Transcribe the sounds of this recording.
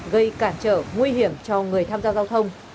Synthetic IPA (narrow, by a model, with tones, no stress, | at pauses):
ɣə˧jkaː˧˩nt͡ɕə̰ː˧˩ŋwi˧ɦi˧˩əmt͡ɕɔ˧ŋɨ˨˩əjt̪ʰaː˧mzaː˧zaː˧wt̪ʰə˧wŋ͡m